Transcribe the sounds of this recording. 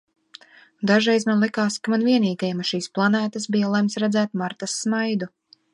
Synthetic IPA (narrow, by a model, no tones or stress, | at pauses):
d̪aʒɾɛjzmanlˠikaːskamanviɛniːɡajɛmaʃiːsplˠanæːt̪as̬bijalˠɛmsɾɛd̪zæːt̪maɾt̪asːmajd̪u